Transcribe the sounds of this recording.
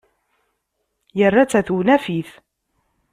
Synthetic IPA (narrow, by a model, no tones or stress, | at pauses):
jərːat͡sːæθunæfiθ